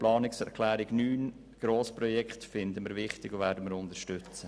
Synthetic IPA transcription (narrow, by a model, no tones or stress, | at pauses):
plɑːnɪksɛɾkʰlæːɾɪɡ̥nyːn | ɡ̥ɾoːspɾɔjɛkχtfɪnd̪əməɾʋɪχt̪ɪɡovæːɾdəməɾʊnd̪əɾʃtʏt͡sə